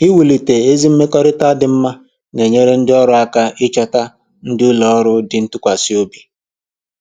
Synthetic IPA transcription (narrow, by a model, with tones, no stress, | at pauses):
i˦wu˨li˨te˨e˦zi˦m̩˦me˦kɔ˦ɾɪ˦ta˦dɪ˨m̩˦ma˦ | ne˨ɲe˦ɾe˦n̩˦dɪ˦ɔ˦ɾʊ˦a˦ka˦ʔɪ˦t͡ʃɔ˦ta˦ | n̩˦dɪ˦u˦lɔ˨ɔ˦ɾʊ˦dɪ˨n̩˦tʊ˦kʷa˨si˦o˦bi̥˨